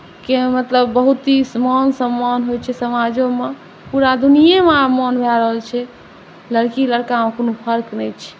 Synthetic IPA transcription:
kemət̪ləbːəɦut̪ismɔnsəmːɔnɦojt͡ʃʰɛsəmad͡ʒõme | puɾad̪unijememɔnbʱɛɾəɦəlt͡ʃʰɛ | ləɾkiləɾkamekonopʰəɾknɛjt͡ʃʰɛ̥

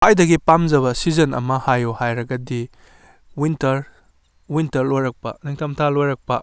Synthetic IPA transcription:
hajdɐɡipamzɐβɐsizɐnɐ̰mɐhajohajɾɐɡɐdi | wintɐɾ | wintɐɾlojɾɐk̚pɐ̰niŋtʰɐmtʰalojɾɐk̚pɐ

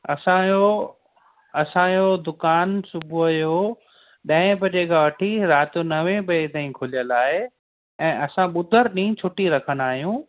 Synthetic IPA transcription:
ɐ̰sãjo | ɐsãjod̪ʊkaːnsʊbʱuɐjo | ɗɐ̃ɦɪ̃pɐd͡ʑeːkaʋɐʈʰiɾaːt̪unɐʋẽbɐet̪aːĩkʰʊlijəlaːɦe | ɛ̃ːɐsãɓʊd̪ʱəɾɗĩːt͡ɕʰʊʈiɾɐkʰə̃naːɦijũː

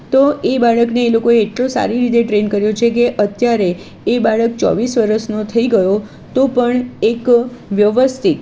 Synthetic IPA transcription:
t̪oʔebaɭəkneːlokoeːʈlosa̰ɾiɾit̪̬eʈɾenkəɾjot͡ʃʰekeʔət̪jaɾeː | baɭək̚t͡ʃɔ̰ʋisʋəɾəʃnot̪ʰəiɡəjo | t̪opəɳekʋjəʋəst̪ʰit̪

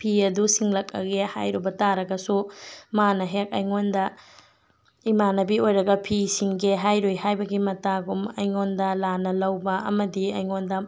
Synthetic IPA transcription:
pʰiɐdusiŋlɐk̚ɐ̰ɡeha̰jɾubɐtaɾɐɡɐsumanɐɦek̚ɐjŋondɐ | imanɐbiojɾɐɡɐpʰisiŋɡeɦajɾojhajbɐɡimɐtaɡumɐjŋondɐlanɐlɐwbɐɐ̰mɐdiɐjŋondɐ

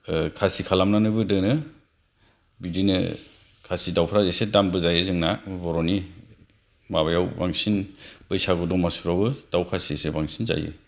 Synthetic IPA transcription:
kʰasikʰalamnanɯbɯdɯnɯ | bidinɯ̰ | kʰasidawpʰɾazesedambɯzajɯzɯŋnabɔɾɔni | maβajawbaŋsinb̥ɯjsaɡɔdɔŋmasuɾabɯd̥awkʰasiesebaŋsʰinza̰jɯ̰

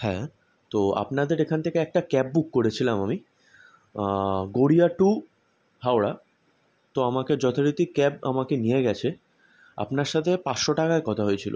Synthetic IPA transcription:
hɛ̰̃ | t̪oa̰pnad̪eɾekʰant̪ʰekeɛk̚ʈakɛb̚bukːoɾet͡ɕʰilamami | ɡoɽiaʈu | ɦawɽa | t̪oamaked͡ʑɔt̪ʰoɾit̪ikɛba̰makenieɡɛt͡ɕʰe | a̰pnaɾʃat̪ʰepasʃoʈakaekɔt̪ʰaɦojet͡ɕʰilo̰

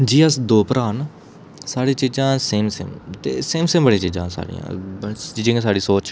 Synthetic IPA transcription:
d͡ʒiːəsd̪oːpəɾaːn | saːɽiːt͡ʃiːzãːseːmsḛːmt̪ḛːseːmsẽːmbəɽĩːt͡ʃiːd͡ʒãːsa̰ːɽḭjã̰t͡ʃiːd͡ʒẽːsaːɽiːsoːt͡ʃ

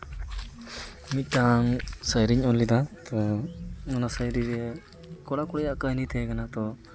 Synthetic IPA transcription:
mit̪̚ʈaŋsajɾiɲɔlːid̪at̪ɔmɔnasajɾiɾɛ | kɔɽakɔɽɛjaʔkanit̪ʰɛkanat̪ɔ

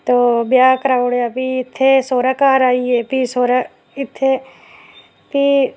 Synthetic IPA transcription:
t̪oːbjaːkəɾaːʊɽeapiɪt̪ʰːesoːɾakaːɾaːiepisoːɾa | ɪt̪ʰːe | pi

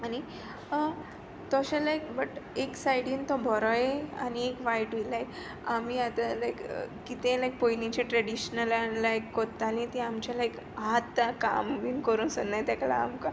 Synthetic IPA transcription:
añi | ə | t̪ɔɕalajkbəʈeksajɽiːnt̪ɔbʱɔɾɔjea̰niekʋajʈʋilajk | amiat̪alajkːit̪ẽlajk̚pojnit͡ɕeʈɾəɽiɕnəlaːajkːott̪ːalĩt̪iamt͡ɕalaik | ɦat̪ːaka̰mʋiːnkəɾũːnsənːajt̪akla̰ːmka

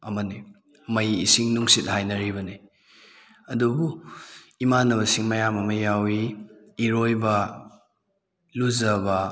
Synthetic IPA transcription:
ɐmɐni | mɐjḭsiŋnuŋsit̚hajnɐɾibɐni | ɐdubu | imanɐβɐsiŋmɐjamɐmɐjawiː | ɾojbɐ | luzɐbɐ

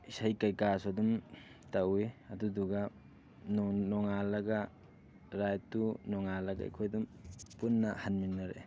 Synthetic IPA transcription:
isajkajkasadumtaweaduduɡa | nɔnɔŋalɐɡa | ɾajtunɔŋalaɡa̰jkʰɔjdumpunːahanminːaɾḛ

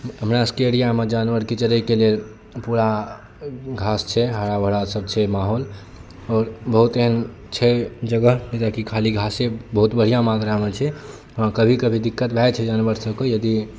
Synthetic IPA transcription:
ɦəmɾaskeeɽijamed͡ʒanʋəɾket͡ʃəɾɛkelel | puɾa | ɡʱast͡ʃʰɛɦəɽabʱəɽasəb̚t͡ʃʰɛmaɦol | ɔːɾbəɦut̪eɦən | t͡ʃʰɛd͡ʒəɡəɦnt̪akikʰaliɡʱasẽbəɦut̪bəɽ̤ijamat̪ɾamet͡ʃʰɛ | ɔ̃kəbʱikəbʱid̪ikːət̪bʱɛjt͡ʃʰɛd͡ʒanʋəɾsəbkejəd̪i

